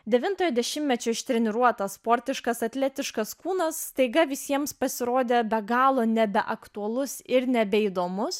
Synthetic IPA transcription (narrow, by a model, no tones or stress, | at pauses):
d̪ʲɛʋʲɪnt̪oːjɛd̪ʲɛʃʲɪmmʲɛt͡ʃʲoːɪʃt̪ʲɾʲɛnʲɪɾuɔt̪ɐspoːɾʲt̪ʲɪʃkɐsɐt̪ʲlʲæt̪ʲɪʃkɐskuːnɐsːt̪ɐɪɡɐʋʲɪsʲiɛmspɐsʲɪɾoːd̪ʲeːbʲɛɡɑːlˠoːnʲɛbʲɛʔɐkt̪uɐlˠʊsɪɾnʲɛbʲɛiːd̪oːmʊs